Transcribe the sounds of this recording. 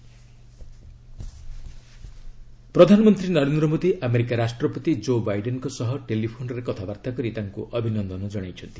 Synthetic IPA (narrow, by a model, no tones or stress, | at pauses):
pɾɔd̪ʱanɔmɔnt̪ɾinɔɾend̪ɾɔmod̪iʔameɾikaɾasʈɾɔpɔt̪id͡ʒobajɖenkɔsɔɦɔʈelipʰonɔɾekɔt̪ʰabaɾt̪akɔɾit̪aŋkuʔɔbʱinɔnd̪ʱɔnɔd͡ʒɔɽ̃ajt͡ʃʰɔnt̪ʰi